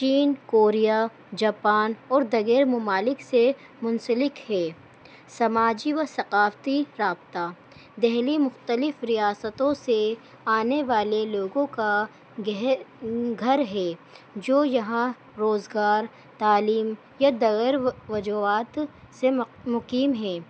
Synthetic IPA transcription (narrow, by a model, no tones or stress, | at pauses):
t͡ʃiːnkoːɾija | d͡ʒaːpaːnɔːɾd̪ɐɡɛːɾmɐmaːlɪkse | mʊnsəlɪkɦɛː | sɐmaːd͡ʒiʋɐsɐqaːft̪iɾaːbt̪aː | d̪ɛɦlimʊxt̪əlɪfɾijaːsət̪õse | aːneʋaːleloːɡõka | ɡ | ɡʱɐɾɦɛːd͡ʒoːjɐɦã | ɾoːzɡaːɾ | t̪aːliːm | jad̪ɐɣəɾʋɐd͡ʒuaːt̪ | semʊqiːmɦɛː